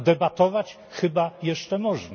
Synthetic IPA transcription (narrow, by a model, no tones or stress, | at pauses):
d̪ɛbat̪ɔvat͡ɕ | xɘbajɛʂt͡ʂɛmɔʐna